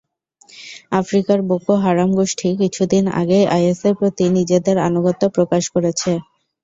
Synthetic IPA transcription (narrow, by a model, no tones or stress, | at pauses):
afɾikaɾbokoɦaɾamɡoʃʈʰikit͡ɕʰud̪ina̰ɡejʔajeseɾpɾot̪inid͡ʑed̪eɾa̰noɡot̪ːopɾokaʃkoɾet͡ɕʰe